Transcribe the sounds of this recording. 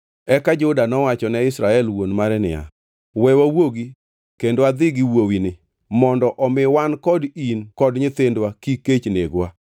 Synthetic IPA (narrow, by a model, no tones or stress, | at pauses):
ɛkad͡ʒʊdanɔwat͡ʃɔnɛɪsɾaɛlwonmaɾɛnɪ̰ja̰ | wɛwawoɡi | kendwad̪ɪɡiwowinɪ | mɔndɔʔɔmɪwankɔdinkɔdɲɪt̪endwakiket͡ʃneɡwa